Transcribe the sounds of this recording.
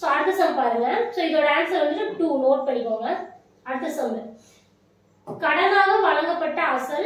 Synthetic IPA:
soɐɾt̪ːɐsɐmpaːɾɯŋɡɐsoːɪðoːɽɐaːnsɐlʋɐnd̪ɾɯʈuːnoːʈ̚pɐɳːɪkːoːŋɡɐ | ɐɾt̪ːɐsɐm | kɐɽɐnaːɣɐʋɐɭɐŋɡɐpːɐʈːɐːʋɐsɐl

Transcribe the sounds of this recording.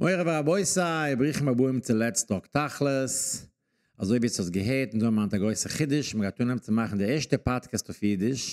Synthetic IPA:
mʔoɪʁəvaaboɪsaɪbʁiːχmabuɪmt͡sɪlˠɛt͡stɔktaχlˠəs | azoɪviːshɔsɡəɦeːtɪnzomantaɡoɪsəχɪdɪʃməɡaɪtuːnɛmt͡sɪmaχn̩dɪɛʃtəpatkəstɔfjiːdɪʃ

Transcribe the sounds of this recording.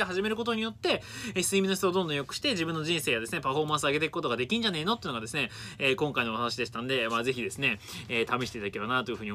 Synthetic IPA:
eɦaʑime̞ɾɯ̟ko̞t̪o̞ɲ̟ijo̞t̪ːe̞eçi̥sɨimʲinoç̬ʲi̥t̪od̪õnd̪õjo̞kɯ̟ɕi̥t̪e̞ʑibɯ̟̃nːo̞ʑĩɰ̃se̞ːjad̪e̞sɨne̞paɸo̞mãsɨaɡe̞t̪ekɯ̥ko̞t̪o̞ɡad̪e̞kʲĩ̟d͡ʑane̞ːno̞t̪ːeɯ̟no̞ɡadesɨne̞eːkõ̞ŋkaino̞at̪aɕ̬id̪e̞ɕi̥t̪ano̞d̪e̞maːze̞çʲid̪e̞sɨne̞ː | t̪amʲeɕit̪eit̪adakebanat̪o̞jɯ̟ɸɯ̟ɲio

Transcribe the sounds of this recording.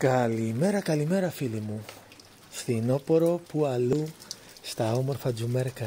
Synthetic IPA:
kɐlime̞ɾɐkɐlime̞ɾɐfilimu | fθino̞po̞ɾo̞puɐlu | st̪ɐo̞mo̞ɾfɐd͡zume̞ɾkɐ

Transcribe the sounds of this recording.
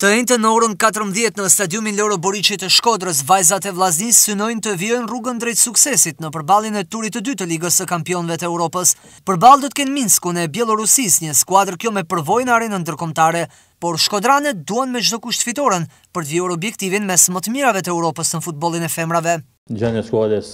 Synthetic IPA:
t̪əɛnt̪ənːəɔɾənkat̪əɾmðjɛt̪nəst̪ad̪iuminlɛɾɔbɔɾit͡ʃit̪əʃkɔd̪ɾəs̬vajzat̪ɛvlˠaznisːynɔjnt̪əviɔjnruɡənd̪ɾɛjt̪suksɛsit̪nəpəɾbalˠinɛt̪uɾit̪ːəd̪yt̪əliɡəsəkampiɔnvɛt̪əɛːuɾɔpəs | pəɾbalˠd̪ɔt̪ə̥kɛnminskunɛbjɛlˠɔɾusisɲəskwad̪əɾkjɔmɛpəɾvɔjnaɾɛnənd̪əɾkɔmt̪aɾɛ | pɔɾʃkɔd̪ɾanɛt̪d̪uanmɛd͡ʒd̪ɔkuʃt̪fit̪ɔɾən | pəɾt̪viɔɾɔbjɛkt̪ivinmɛsmət̪əmiɾavɛt̪əɛuɾɔpəsnəfut̪̚bɔlˠinɛfɛmɾavɛ | d͡ʒanəskuad̪əs

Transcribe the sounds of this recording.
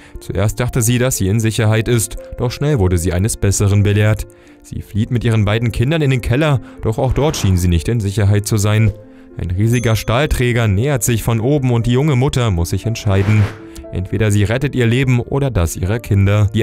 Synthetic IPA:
t͡suʔḛːɐst̚d̥aχtəziːdasz̥iːɪnzɪçɐɦaɪtɪstd̥ɔχʃnɛlvʊɐdəziːʔa̰ɪnəsb̥ɛsəʁ̞ənbəleːɐt | z̥ḭːfliːtmɪtʔiːʁ̞ənbaɪdn̩kʰɪndɐnɪndeːnkʰɛlɐd̥ɔχaʊxd̥ɔɐtʃiːnziːnɪçtɪnzɪçɐɦaɪt̚t͡suzaɪn | ʔaɪnʁiːzɪɡɐʃtaːltʁ̥ɛːɡɐnɛːɐtz̥ɪçfɔnʔoːbm̩ʊnt̚d̥iːjʊŋəmʊtɐmʊsz̥ɪçɛntʃaɪdn̩ | ʔɛ̰ntv̥eːdɐziːʁɛtətʔiːɐleːbm̩ʔo̰ːɾɐdasʔḭːʁ̞əkʰɪndɐd̥iː

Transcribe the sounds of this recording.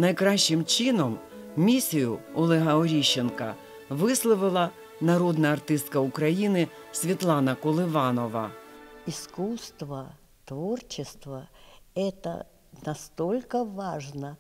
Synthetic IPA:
nɐjkɾɑʃːɪmt͡ʃɪnɔmmʲisʲijʊɔlˠɛɦɐɔɾʲiʃːenkɐ | ʋɪslˠɔʋɪlˠɐ | nɐɾɔd̪nɐɐrt̪ɪst̪kɐukɾɐjinɪsʲʋʲit̪lˠɑnɐkɔlˠɪʋɑnɔʋɐ̰iskust̪ʋə | t̪ʋort͡ɕɪst̪ʋəɛt̪ə̰ | nɐst̪olʲkəʋaʐnə

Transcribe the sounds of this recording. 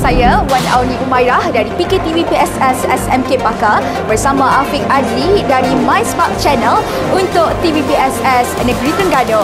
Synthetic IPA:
sajawanawnĩʔumajɾahdaɾipiket̪ivipiɛsɛsɛsɛmkepaka | bərsamãʔafik̚adlidaɾimãjspak̚t͡ʃɛnəl | unt̪ʊkt̪ivipiɛsɛsnə̃ɡɾit̪əŋɡado

